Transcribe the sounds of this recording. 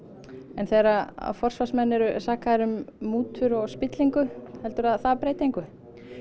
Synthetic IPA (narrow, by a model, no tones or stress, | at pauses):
ɛnθeːɾaa̰fɔr̥svasmɛnːɛɾʏsaːkaðɛɾʏmːuːt̪ʰʏɾɔɣspɪt̪liŋkʏhɛlt̪ʏɾaðθaðpɾeːjt̪ejŋkʏ